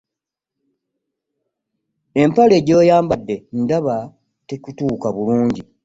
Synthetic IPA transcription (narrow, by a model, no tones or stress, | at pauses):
e̞mpale̞ːɟo̞ːjaːmbadːe̞ndaβa | tekutuːkaβuluːɲɟi